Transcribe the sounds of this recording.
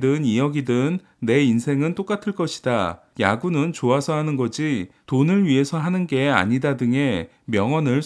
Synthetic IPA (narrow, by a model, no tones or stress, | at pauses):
dɯnijʌɡidɯnː | e̞insʰe̞ŋɯnt͈ok͈atʰɯɭk͈ʌɕʰi̥da | ja̰ɡunɯnt͡ɕoasʰʌɦanɯnɡʌd͡ʑitonɯɭɥie̞sʰʌɦanɯnɡe̞a̰ɲidadɯŋe̞ | mjʌŋʌnɯɭ